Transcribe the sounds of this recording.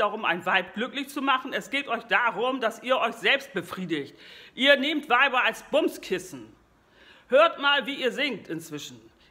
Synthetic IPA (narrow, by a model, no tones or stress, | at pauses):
aʁʊma̰ɪnvaɪp̚ɡ̥lʏklɪçt͡sumaχn̩ɛsɡ̥eːtʔɔʏçd̥aːʁʊmd̥asʔiːɐʔɔʏçz̥ɛlpst̚b̥əfʁ̥iːdɪçtʔiːɐneːmtv̥aɪbɐalsb̥ʊmskʰɪsn̩ | høːɐtmaːlviːiːɐzɪŋk̚tɪnt͡sv̥ɪʃn̩